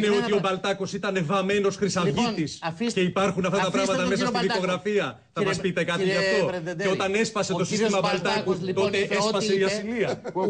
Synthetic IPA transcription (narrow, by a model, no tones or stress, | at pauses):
neo̞t̪io̞bɐlt̪ɐko̞sit̪ɐnevɐme̞no̞sxɾisɐvʝit̪isce̞ipɐɾxunɐft̪ɐt̪ɐpɾɐɣmɐt̪ɐme̞sɐst̪iðiko̞ɣɾɐfiɐ | θɐmɐspit̪e̞kɐt̪iɐft̪o̞eo̞t̪ɐne̞spɐse̞t̪o̞sist̪imɐbɐlt̪ɐkut̪o̞t̪esespɐse̞iɐsiliɐ